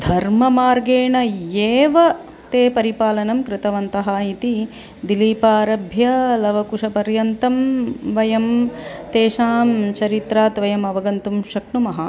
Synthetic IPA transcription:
d̪ʱɐɾmɐmaːɾɡeːɳɐjeːʋɐ | t̪eːpɐɾipaːlɐnɐmkɾɪt̪ɐʋɐnt̪ɐɦaːit̪i | d̪iliːpaːɾɐbʱjɐlɐʋɐkuʂɐpɐɾjɐnt̪ɐmʋɐjɐmt̪eːʃaːmt͡ʃɐɾit̪ɾaːt̪ʋɐjɐmɐʋɐɡɐnt̪umʃɐkɳumɐɦɐ

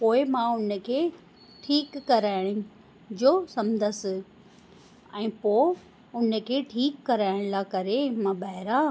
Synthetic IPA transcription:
poːɪmãʊnəkʰeː | ʈʰiːkːɐɾaːɪɽ̃ɪ | d͡ʑoːsɐmd̪ʱəsɪ | ɛ̃ːpoː | ʊnə̆kʰeːʈʰiːkːɐɾaːɪɽ̃lakɐɾemãɓɐɦɪɾa

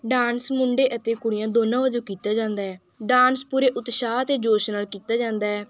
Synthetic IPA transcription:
ɖaːnsmʊɳɖeːʔət̪eːkʊɽɪjãːd̪oːnãːʋəd͡ʒoːkiːt̪aːd͡ʒãːnd̪aːɦɛː | ɖaːnspuːɾeːʔʊt̪ʃaːt̪eːd͡ʒoːʃnaːlkiːt̪aːd͡ʒãːnd̪aːɦɛː

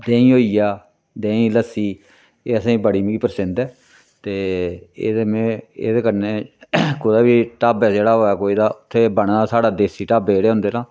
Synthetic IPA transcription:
d̪ẽːĩːɦoːiːjaː | d̪ẽːĩːləsːiː | eːəsãːĩːbəɽiːmɡiːpəɾsɪ̃nd̪ɛː | t̪eːeːd̪eːmẽːḛːd̪eːkəɾneːkod̪aːbiːʈaːbɛːd͡ʒeːɽaːɦoːɛːkoːiːd̪aːʊt̪ʰːeːbəɳːaːsaːɽaːd̪eːsiːʈaːbeːeːɽeːɦʊ̃nd̪eːɾãː

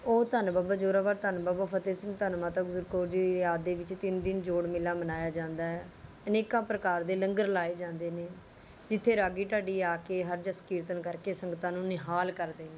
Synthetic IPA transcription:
oːt̪ənbaːbaːd͡ʒoːɾaːbaːɾt̪ənbaːbaːpʰət̪eːsɪ̃ŋɡt̪ənmãːt̪ãːɡʊzəɾkoːɾd͡ʒiːaːd̪eːʋɪt͡ʃt̪ɪnd̪ɪnd͡ʒoːɽmɪlːaːmənaːjaːd͡ʒãːnd̪aːɛː | əneːkãːpɾəkaːɾd̪eːləŋɡəɾlaːeːd͡ʒãːnd̪eːneː | d͡ʒɪt̪ʰːeːɾaːɡiːʈaːɖiːaːkeːɦəɾd͡ʒəskiːɾt̪ənkəɾkeːsəŋɡt̪ãːnũːnɪɦaːlkəɾd̪eːnẽː

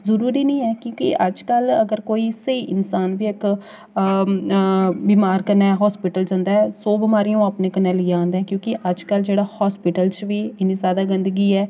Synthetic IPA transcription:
zəɾuːɾiːnəĩːɛːkjõːkɪ̰ʔəd͡ʒkələɡəɾkoːiːsəiːʔɪnsaːnʋiːɪk | biːmaːɾkəɾnaːɛːɦɔːspɪʈəld͡ʒãːnd̪aːɛsoːbɪmaːɾijõːapneːkənɛːliːãːnd̪ɛ̃ːkjõːkɪʔəd͡ʒkəld͡ʒeːɽaːhɔːspɪʈəlt͡ʃʋiːɪniːzjaːd̪aːɡɪ̃nd̪əɡiːɛː

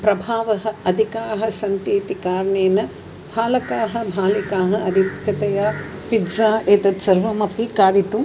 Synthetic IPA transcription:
pɾɐbʱaːʋɐɦɐɐd̪ʱikaːɐɦɐ̆sɐnt̪eːt̪ikaːɾɐɳeːnɐ | bʱaːlɐkaːɦɐbʱaːlikaːɦɐ̆ɐd̪ʱit̪kɐt̪ɐjapidzaːeːt̪ɐt̪sɐɾʋɐmɐpikaːd̪it̪u

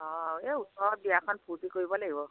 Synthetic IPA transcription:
ɔ̃eusɔɹ̚biakʰɔnpʰutikoɹibɔlaɡibɔ

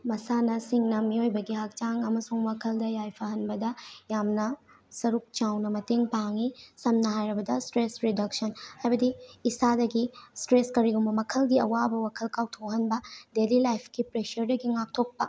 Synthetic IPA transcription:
mɐsanɐsiŋnɐmiojbɐɡiɦak̚t͡ʃaŋɐmɐsuŋwakʰɐldɐjajpʰɐɦɐnbɐdɐjamnɐ | sɐɾuk̚t͡ʃawnɐmɐteŋpaŋisɐmnɐɦajɾɐbɐdɐstɾesɾidɐksɐnhajbɐdiːsadɐɡistɾeskɐɾiɡumɐmɐkʰɐlɡiɐwabɐwakʰɐlkawtʰoɦɐnbɐdelilajpʰkipɾeʃɐɾdɐɡiŋak̚tʰok̚pɐ

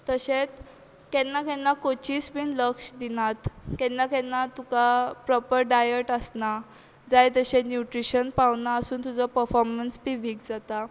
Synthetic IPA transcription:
t̪əɕet͡s | kɛnːakɛnːakot͡ɕiːsbiːnləkɕd̪inat̪kɛnːakɛnːat̪ukapɾɔpəɾɖajəʈəsna | d͡zajt̪əɕenjuʈɾiɕənpaʋnaəsuːnt̪ud͡zɔpəɾfɔɾmənspiʋiːkd͡zat̪a

